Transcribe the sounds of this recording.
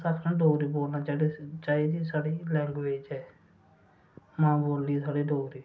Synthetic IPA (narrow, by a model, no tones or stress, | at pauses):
səkʰnãːɖoːɾiːboːlnãːt͡ʃaːit͡ʃaːɦiːd̪iːsaːɽiːlɛ̃ːŋɡʋeːd͡ʒɛː | mãːboːlːiːsaːɽiːɖoːɾiː